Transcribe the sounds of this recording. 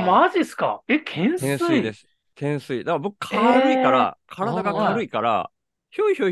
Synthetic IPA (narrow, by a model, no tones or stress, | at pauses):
maʑiesɨ̥ka̰ekʰẽɰ̃ẽsɨid̪e̞sɨ̥ | kẽ̞ɰ̃sɨid̪akbo̞kɯ̥kʰaaɾɯ̟ikaɾa̰kʰaɾad̪aɡakʰaɾɯ̟ikaɾa̰ | çoiço